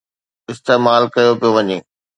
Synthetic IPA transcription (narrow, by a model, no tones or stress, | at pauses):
ɪst̪eːmaːlkɐjopijoʋɐɲeː